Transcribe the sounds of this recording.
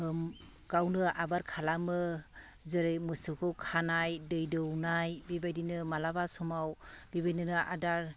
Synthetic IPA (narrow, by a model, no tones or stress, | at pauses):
m | ɡ̥awnɯabaɾkʰalamɯ | zɯɾɯjmɯsɯkʰɯwkʰanajdɯjdɯwnajbibajdinɯmalabasɔmawbibajnɯnɯʔa̰daɾ